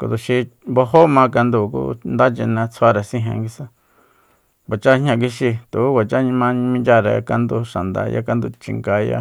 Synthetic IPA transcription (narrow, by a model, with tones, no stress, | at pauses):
ko̰˧d̪u˨ʃi˧bo˧ɦo˦mã˧ka˧nd̪u˧˨kṵ˦nd̪a˦t͡ʃe˧nã˧t͡sʰa˧ɾa˨sĩ˦˧ɦḛ̃˧ŋɡi˧sã˦ | ba˨t͡ʃa˦hɲã˧k̬i˧ʃi˧t̪u˨˦βa˨t͡ʃa˦ɲĩ˧mã˧˦ɲ̃˧mĩ˧nd͡ʒʲa˧ɾa̰˧ka˧nd̪u˧ʃa˨nd̪a̰˧ja̰˦ka˧nd̪u˧˨t͡ʃḭ˧˨ŋɡa˧ja̰˧˦